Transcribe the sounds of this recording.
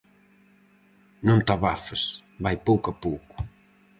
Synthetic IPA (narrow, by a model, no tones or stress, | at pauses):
nõnt̪aβafes | bajpowkapowkʊ̥